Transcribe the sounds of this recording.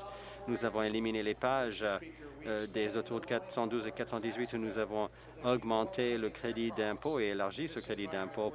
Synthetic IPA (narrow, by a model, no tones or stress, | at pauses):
nuzavɔ̃eliminelepaʒ | d̪ezot̪ʰuʁd̪əkat̪sɑ̃d̪uzekat̪χsɑ̃d̪izɥit̪unuzavɔ̃ | ɔɡmɑ̃t̪ʰeləkχed̪id̪ɛ̃poeelaʁʒisəkχed̪id̪ɛ̃po